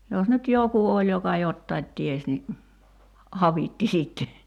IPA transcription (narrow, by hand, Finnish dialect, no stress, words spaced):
jos nyt joku olʲ jokɑ jotːɑit ties ni ɑʋitːi sitːe